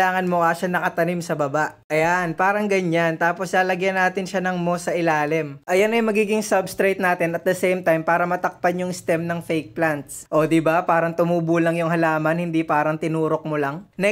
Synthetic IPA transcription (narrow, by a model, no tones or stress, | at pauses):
aːŋɐnmʊkaʃanɐkɐt̪ɐnimsɐbɐbaʔʔɐjanpaːɾɐŋɡɐɲant̪aːpo̞slaːlɐɡjɐnːaːt̪ɪnʃanɐŋmo̞sɐʔɪlaːlɪmʔɐjanɐjmɐɡiːɡɪŋsɐbst̪ɾejt̪̚naːt̪ɪnɐt̪̚d̪ɐsɛjmt̪ajmpaːɾɐmɐt̪ɐk̚pɐnjʊŋst̪ɛmnɐŋfɛjk̚plant̪̚sʔo̞ːd̪ɪbapaːɾɐŋt̪ʊmuːbuːlɐŋjʊŋɦɐlaːmɐnhɪnd̪ipaːɾɐŋt̪ɪnuːɾok̚molɐŋnɛ